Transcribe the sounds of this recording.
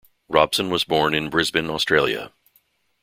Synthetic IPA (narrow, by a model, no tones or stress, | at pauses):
ɹɑb̥sɨ̃nwʌzbɔɹnɨ̃nbɹɪzbɨ̃nɔstɹ̥eɪlˠjɨ̰